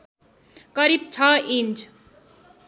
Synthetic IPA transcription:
kʌɾib̚t͡sʰʌint͡sʰ

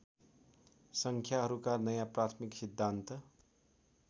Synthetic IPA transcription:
sʌŋkʰjaɦʌɾukanʌjaprat̪ʰmiksid̪ʱːant̪ʌ

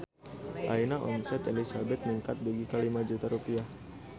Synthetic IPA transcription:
ʔainaʔɔnsɛt̪elisabɛt̪̚niŋkat̪̚duɡikalimad͡ʒut̪aɾupiah

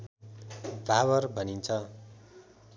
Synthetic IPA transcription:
bʱaβʌrbʱʌnint͡sʰʌ

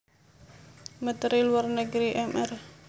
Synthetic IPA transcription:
mət̪ɾiluwarnəɡɾiʔɛmɛr

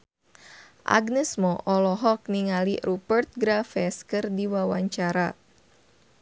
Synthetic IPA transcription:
ʔa̰ɡnɛsmɔʔɔlɔɦɔk̚niŋaliɾupərt̪̚ɡɾafɛskɨrdiwawaɲt͡ʃaɾa

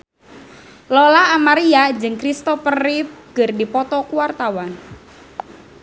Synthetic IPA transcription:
lɔlaːmaɾiad͡ʒɨŋkɾist̪ɔfəriɡ̥ərdipɔt̪ɔkuwart̪awan

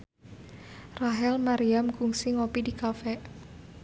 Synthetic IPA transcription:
raɦɛlmaɾiamkuŋsiŋopidikafɛ

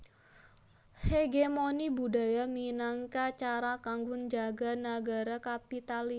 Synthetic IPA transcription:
heɡemonibudajaminaŋkat͡ʃaɾakaŋɡʊnd͡ʒaɡanaɡaɾakapit̪ali

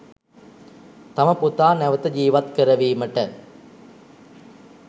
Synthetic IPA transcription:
t̪aməput̪aːnæʋət̪əd͡ʒiːʋat̪kəɾɐʋiːməʈə

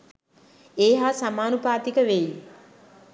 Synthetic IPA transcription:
eːɦaːsamaːnupaːt̪ikəʋej

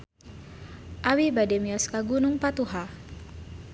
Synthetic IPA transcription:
ʔawibadɛmiaskaɡunʊŋpat̪uɦa

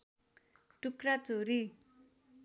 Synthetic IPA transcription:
ʈukrat͡soɾi

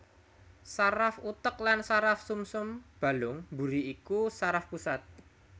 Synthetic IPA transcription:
saɾafut̪ək̚lansaɾafsumsʊmb̥a̤lʊŋbuɾiikusaɾafpusat̪̚

